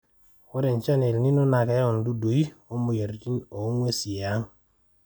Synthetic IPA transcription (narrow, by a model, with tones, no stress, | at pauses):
wɔ˦ɾɛ˨nt͡ʃa˦ne˨lni˦no˦na˨kɛ˨˦ɔ˨n˨du˦du˨i˦o˦mu˨je˨ɾti˦ɲo˨˦ŋwe˦si˨a˨˦ŋ